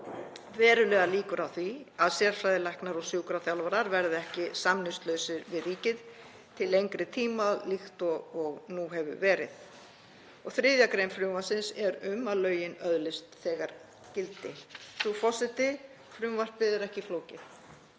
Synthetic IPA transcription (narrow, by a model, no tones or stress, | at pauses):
vɛːɾʏlɛːɣaliːkʏɾawθviaðsɛːɾ̥fɾajðɪlajhknaɾɔɣsjuːkɾaθjawlvaɾaɾvɛɾðɪɛhcɪsamnɪst̪lœːɥsɪɾvɪðɾiːcɪð | t̪ʰɪlejŋkɾɪt̪ʰiːmaðlixt̪ɔɔɣnuɦɛvʏ̰vɛːɾɪ̰ð | ɔɣθɾɪðjakɾejnfɾʏmvasɪnsɛɾʏmalœːɥjɪnœðlɪst̪θɛːɣaɾ̥ | cɪlt̪ɪθufɔsɪt̪ɪ | fɾʏmvar̥pɪðɛɾɛhcɪfloːwcɪθ